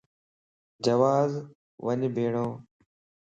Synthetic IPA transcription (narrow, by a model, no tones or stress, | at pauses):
d͡ʒəʋaːz | ʋəɲbʱeːɳõː